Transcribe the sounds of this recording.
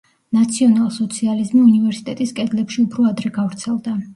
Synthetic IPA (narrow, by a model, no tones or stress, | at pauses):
nat̪sʰiɔnalˠsɔt̪sʰializmiunivɛɾsi̥t̪ʼɛt̪ʼiskʼɛd̪lɛpʃiupʰɾɔad̪ɾɛɡavɾt̪sʰɛlˠd̪a